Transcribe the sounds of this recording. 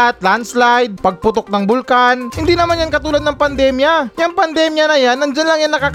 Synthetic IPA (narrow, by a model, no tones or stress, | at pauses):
at̪̚lanslajd̪̚pɐɡ̚pʊt̪ok̚nɐŋbʊlkanhɪnd̪inɐmanjankɐt̪uːlɐd̪nɐŋpɐnd̪ɛːmjajɐŋpɐnd̪ɛːmjɐnɐjanːɐnd͡ʒanlɐŋjanːɐkaːk